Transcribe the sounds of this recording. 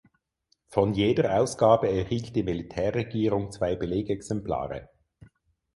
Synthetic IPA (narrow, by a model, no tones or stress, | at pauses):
fɔnjeːdəʁaʊsɡ̥aːbəɛɐhiːlt̚d̥iːmilitʰɛːɐʁːeɡiːʁʊŋt͡sv̥aɪbəleːɡɛksɛmpla̰ːʁə̰